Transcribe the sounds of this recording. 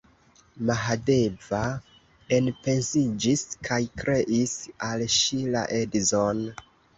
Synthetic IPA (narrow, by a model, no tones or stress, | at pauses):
maɦade̞va | e̞npe̞nsid͡ʒiskʰajkɾe̞ʔisalʃila̰ʔe̞dizon